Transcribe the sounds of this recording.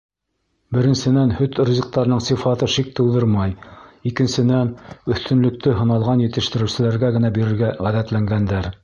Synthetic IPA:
bɘ̆ɾɘ̆nsɘ̆nænhɵt̪rozʲĭq̚t̪ɑɾɤ̆nɤɴsɤfɑt̪ɤʃik̚t̪ɤ̆lˠd̪ɤɾmɑjikɘ̆nsɘ̆nænɵ̆θt̪ɵ̆nlɵ̆k̚t̪ɵɦɤ̆nɑlˠʁɑnjɘ̆t̪ɘ̆ʃt̪ɘ̆ɾɘ̆wsɘ̆læɾɡæɡɘ̆næbiɾɘ̆ɾɡæʁæðæt̪læŋɡænd̪æɾ

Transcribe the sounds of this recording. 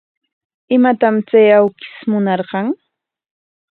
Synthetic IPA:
ɪmat̪amt͡sajawkɪ̥smʊnɑɾɢɑŋ

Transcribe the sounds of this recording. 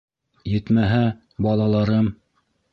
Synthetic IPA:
jɘ̆t̪mæɦæ | bɑlˠɑlˠɑɾɤm

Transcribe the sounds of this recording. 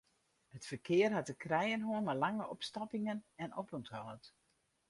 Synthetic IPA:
hətfərkʰɪːərɦat̚dəkrɛjənɦoənmalaŋəʔɔpstapɪŋənɛnɔpɔnthɔːt

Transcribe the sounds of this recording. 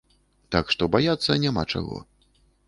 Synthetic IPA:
t̪akʂt̪ɔbajat̪sːɐnʲama̰t͡ʂa̰ɣɔ̰

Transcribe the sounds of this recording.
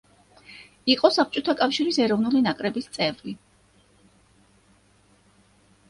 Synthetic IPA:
iqʼɔsap̚t͡ʃʼɔt̪ʰakʼafʃiɾisɛɾɔvnulinakʼɾɛbist̪sʼɛvli

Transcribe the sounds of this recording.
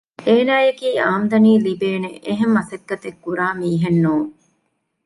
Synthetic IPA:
eːnaːjekiːaːmd̪ɐniːlibeːneʔeɦemːɐsɐkːɐt̪ekːuɾaːmiːɦenːuːŋ

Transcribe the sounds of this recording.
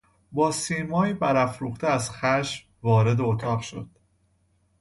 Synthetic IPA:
bɒːsiːmɒːiːbæɾæfɾuːχt̪ʰeæzxæʃm | vɒːɾe̞d̪eot̪ʰɒːʁʃo̞̰d̪̥

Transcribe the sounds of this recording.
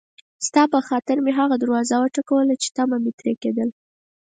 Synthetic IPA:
st̪ɑpəxɑt̪ɪɾmeɦaɣad̪aɾwɑzawəʈakawəlat͡ʃe̥t̪amamet̪ɾeked̪əl

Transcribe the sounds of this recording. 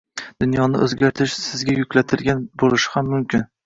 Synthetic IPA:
d̪̥ʊnjɒnɪʔɵzɡʲaɾt̪ʰɪʃsɪzɡʲajʊkʲlat̪ʰɪlɡʲanbolɪʃɪ̥hamːʊmkʲʰɪn

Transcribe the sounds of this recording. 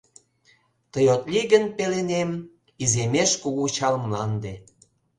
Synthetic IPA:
t̪əjot̪liɣənpelenem | izemeʃkuɣut͡ɕɑlmlɑnd̪e

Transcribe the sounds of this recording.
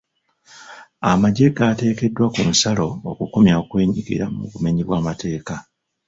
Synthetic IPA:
amaɟe̞ɡaːte̞ːke̞dːwakumusalo̞okukumjakwe̞ːɲiɡḭɾamuβume̞ɲiβwaːmatʰe̞ːka

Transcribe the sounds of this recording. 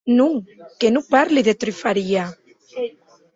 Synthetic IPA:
nuŋkenupaɾliðet̪ɾifaɾia

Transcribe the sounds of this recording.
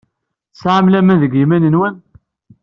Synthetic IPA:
sʕamlæmænðəɡimænənwən

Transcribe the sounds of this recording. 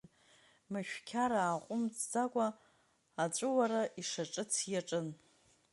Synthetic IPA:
maʃᶣkʲʰaɾaːqʷʼʊmt͡sːakʷʼaː | t͡ʃʷʼɨwaɾaʔiʂaʈ͡ʂʼɨt͡sʰjaʈ͡ʂʼɨn

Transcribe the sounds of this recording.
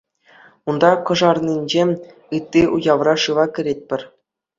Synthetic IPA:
und̪ɑkɤ̆ʐɑrnʲinʲd͡ʑemʲ | ɯt̪ʲːiʔujɑʋrɑʂɯʋɑkʲɘ̆ɾʲet̚ʲpʲɘ̆rʲ

